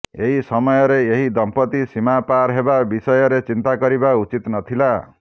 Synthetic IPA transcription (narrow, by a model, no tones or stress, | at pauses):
eɦisɔmɔjɔɾeeɦid̪ɔmpɔt̪isimapaɾɦebabisɔjɔɾet͡ʃint̪akɔɾibaut͡ʃit̪nɔt̪ʰila